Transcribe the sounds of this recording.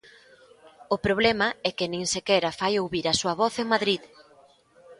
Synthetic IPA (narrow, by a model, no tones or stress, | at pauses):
ʊpɾoβ̞lɛmɐɛkɪnĩŋsekɛɾɐfajowβiɾɐsuɐβɔθeŋmaðɾið